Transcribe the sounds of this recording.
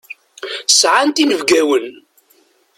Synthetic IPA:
sʕant̪inəvɡæwən

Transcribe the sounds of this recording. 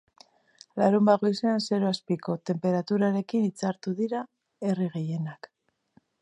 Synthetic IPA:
laɾumbaɣo̞jse̞anse̞ɾo̞aspiko̞t̪e̞mpe̞ɾat̪uɾaɾe̞kinit͡saɾt̪uðiɾa | e̞riɣ̞e̞je̞nak

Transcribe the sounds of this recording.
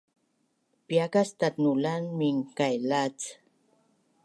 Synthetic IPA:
pjakast̪at̪nulanmiŋkajlat͡s

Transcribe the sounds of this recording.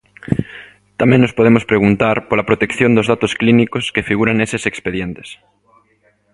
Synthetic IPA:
t̪amẽnnospoð̞emospɾeɣ̞unt̪aɾpolapɾot̪ekθjond̪ozðat̪osklinikoskefiɣuɾaŋesesekspeðjent̪e̥s

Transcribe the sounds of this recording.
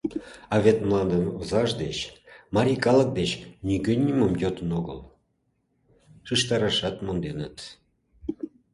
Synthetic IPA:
ɑβet̪mlˠɑnd̪ənozɑʒd̪et͡ɕmɑɾʲikɑlək̚d̪et͡ɕnʲiɡønʲːiməmjot̪ənoɣə̰l | ʃɯʃt̪ɑɾɑʃɑt̪mond̪enə̰t̪

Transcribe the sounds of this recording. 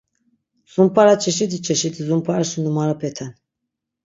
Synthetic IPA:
z̥umpʰaɾat͡ʃʰɛʃit̪ʰit͡ʃʰɛʃit̪izumpʰaɾaʃinumaɾapʰɛt̪ʰɛn

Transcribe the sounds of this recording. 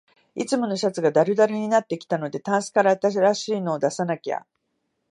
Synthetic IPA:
it͡sɨmo̞no̞ɕat͡sɨɡad̪aɾɯ̟d̪aɾɯ̟ɲ̟inat̪ːe̞kʲi̥t̪ano̞d̪e̞t̪ãɰ̃sɨ̥i̥kaɾaat̪aɕiɾaɕiːno̞ːd̪asanakʲa̰

